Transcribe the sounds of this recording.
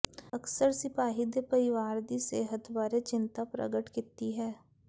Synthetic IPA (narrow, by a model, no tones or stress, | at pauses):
ɐksəɾsɪpaːɦɪd̪epəɾɪʋaːɾd̪iseːɦət̪baːɾet͡ʃɪ̃nt̪apɾə̰ɡəʈkɪt̪ːiɦɛː